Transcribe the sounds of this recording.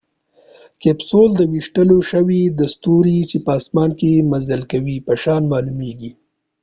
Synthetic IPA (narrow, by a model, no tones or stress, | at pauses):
kepsold̪əwiʃʈəloʃəwid̪ast̪uɾit͡ʃepəːsmɑnkemazəlkawipəʃɑnmɑlumeɡi